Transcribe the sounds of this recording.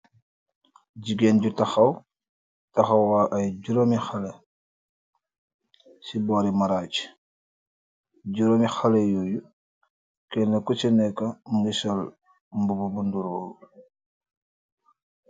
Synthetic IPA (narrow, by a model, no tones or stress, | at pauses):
ɟiɡeːnɟutɐxɐw | tɐxɐwwaʔɐjɟuɾomixale | sibɔɾimaɾaːc | ɟuɾomixalejuːju | kɛnekut͡ʃinɛkɐmuŋɡisol | mbububunduɾoːlu